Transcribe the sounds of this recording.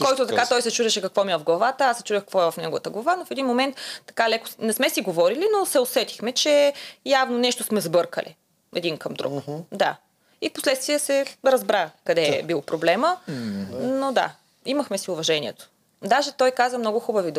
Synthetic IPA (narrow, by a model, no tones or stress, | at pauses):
kɔjt̪ʊt̪ɐkat̪ɔjsɛt͡ʃuʒɛʃɛkɐkvɔmiɛvɐvɡlˠɐvat̪əasːɛt͡ʃuʒɛkɐkvɔɛvɐfnɛɡovət̪əɡlˠɐvanofɛd̪inmomɛnt̪ːɐ̥kalɛkʊ̥snɛsmɛsiɡovɔɾilinosɛosɛt̪i̥xmɛt͡ʃɛjavnonɛʃt̪osmɛzɐbɤɾkə̰lḭ | ɛd̪inkɐmd̪ɾṵkd̪a̰ | ifpo̥slɛt̪st̪viɛsɛɾɐzbɾakɐd̪ɛbilˠpɾoblɛmə | nod̪a̰ | imɐxmɛsiʊvɐʒɛniɛ̰t̪o̥ | d̪aʒɛt̪ɔjkazvəmnɔɡʊxubɐvid̪